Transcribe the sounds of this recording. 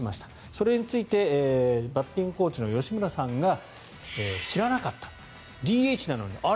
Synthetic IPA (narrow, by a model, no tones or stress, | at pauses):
imaɕi̥t̪ḁ | so̞ɾe̞ɲ̟it͡sɨit̪e̞bapːʲĩŋko̞ːt͡ɕino̞jo̞ɕimɯ̟ɾasãŋɡa | eːɕiɾanakat̪ːḁ | d̪ʲiːeit͡ɕinano̞̰ɲ̟ḭʔa